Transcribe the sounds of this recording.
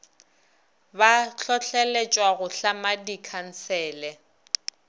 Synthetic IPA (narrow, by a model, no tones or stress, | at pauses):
baɬɔɬɛlet͡ʃʼwaɣʊɬamadikʰan̩sɛːlɛ